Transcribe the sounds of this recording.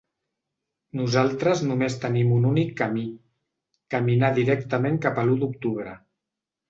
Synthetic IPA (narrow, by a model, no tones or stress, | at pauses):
nuzalˠt̪ɾəznumest̪ənimununikːəmi | kəminaðiɾɛkt̪əmeŋkapəlud̪ukt̪uβ̞ɾə̰